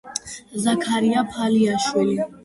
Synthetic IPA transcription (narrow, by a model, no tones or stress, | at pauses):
zakʰaɾiapʰaliaʃwili